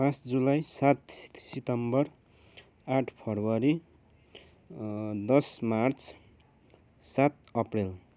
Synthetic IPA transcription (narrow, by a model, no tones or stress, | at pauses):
pãsd͡zulajsat̪sit̪ʌmbʌr | aʈʰpʰʌrwʌɾi | d̪ʌsmart͡sʰ | sat̪̚ʌprel